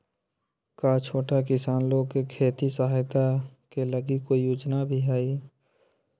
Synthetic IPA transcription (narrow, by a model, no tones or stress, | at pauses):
kaːt͡ʃʰoːʈakɪsaːnloɡ̚kekʰeːt̪isəɦaːjt̪akeləɡikojoːd͡ʒnabʱiɦaːi